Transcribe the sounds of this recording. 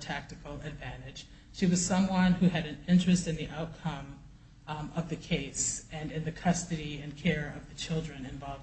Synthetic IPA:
tʰæk̚tɨkl̩ˠɨdvæ̃ñɪd̥ʒ̥ | ʃiwʌz̥sʌ̃mwʌ̃nhʉɨɾɨ̃nɪ̃nt͡ʃɹ̥ɨstɨ̃nðiʔaʊt̚kʰʌ̃m | ʌvðɨkʰeɪsɨ̃nɨ̃nðɨkʰʌstɨɾiɨ̃nkʰɛɹʌvðɨt͡ʃʰɪlˠdɹɨ̃nɨ̃ɱvɑlˠv

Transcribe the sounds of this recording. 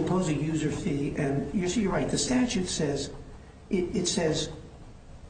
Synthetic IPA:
mpʰoʊzɨjʉzə˞θiɨ̃njə˞sijə˞ɹaɪt̪̚ðɨstæt͡ʃʉtsɛz | ʔɪɾɪtsɛz̥

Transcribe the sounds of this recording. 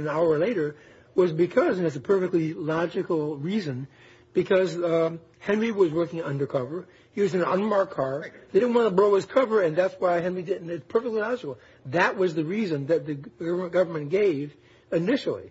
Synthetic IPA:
naʊə˞leɪɾə˞ | wʌzbɨkʰʌzɨ̃nɨtsɨpʰɜ˞fɨk̚tˡlilɑd͡ʒɨkl̩ˠɹizɨ̃n | b̥ɨkʰʌz | hɛ̃nɹiwʌzwɜ˞kɪ̃ŋʌ̰̃ndə˞kʰʌvə˞ | hiwʌzɨ̃nʌ̰̃nmɑɹkʰːɑɹððeɪdɪdⁿn̩wɑ̃ñəbɹoʊɨz̥kʰʌvə˞ɨ̃nðætswaɪɦɛ̃nɹidɪdⁿn̩ɨtspʰɜ˞fɪk̚tˡlilɑd͡ʒɨkl̩ˠ | ðɨʔ̚wʌzðɨɹizɨ̃nðɨt̪̚ðɨɡ̥ʌvə˞mɨ̃nɡ̥eɪv | ɨnɪʃl̩ˠḭ

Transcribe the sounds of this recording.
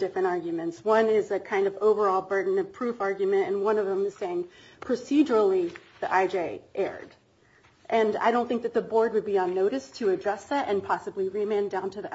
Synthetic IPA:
d̥ɪfɹɨ̃ñɑɹɡjmɨ̃ntswʌ̃nɪzɨkʰãɪ̃ndʌvoʊvə˞ɔlˠbɜ˞ʔdⁿn̩ʌv̥pʰɹ̥ʉfɑɹɡjmɨ̃tɨ̃nwʌ̃nʌvə̃mɨz̥seɪɪ̃ŋ | pʰɹ̥ɨsid͡ʒə˞l̩ˠiðiʔaɪd͡ʒeɪʔɛ̰ɹd̥ | ʔɨ̃na̰ɪɾõʊ̃nθɪ̃ŋk̚ðɨt̪̚ðɨbɔɹd̚wɨd̚biə̃nːoʊɾɨstʰɨːd͡ʒʌsðæɾʔɨ̃npʰɑsəbliɹimɛ̃ndãʊ̃ntʰɨði

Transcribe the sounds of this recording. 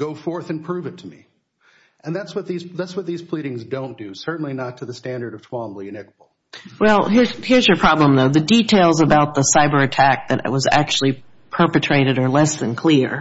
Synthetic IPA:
ɡ̥oʊfɔɹθɨ̃npʰɹ̥ʉvɨtʰɨmḭ | ʔɨ̃nðætswʌt̪̚ðiz̥ðætswʌt̪̚ðiz̥pʰl̥iɾɪ̃ŋzdõʊ̃nd̥ɨsɜ˞ʔn̩linətʰɨðɨstæ̃ndə˞ɾʌv̥tʰw̥ɑ̃mliɨnɪk̚bl̩ˠ | wɛlˠhiɹzhiɹzjə˞pʰɹ̥ɑblə̃mðoʊðɨditʰeɪlˠzəbaʊt̪̚ðəsaɪbə˞ɨtʰæk̚ðɨ̰ɾwʌzæ̰k̚t͡ʃʉl̩ˠi | pʰɜ˞pɨtʰɹ̥eɪɾɨɾə˞lɛsðɨ̃nkʰl̥ɪɹ

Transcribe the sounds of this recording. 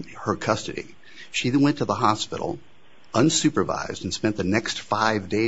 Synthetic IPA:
hə˞kʰʌstɨɾḭ | ʃiwɛ̃ntʰəðəɦɑspɪ̰ɾl̩ˠ | ʌ̃nsʉpə˞va̰ɪzdn̩spɛ̃nðɨnɛkstfaɪvdeɪ

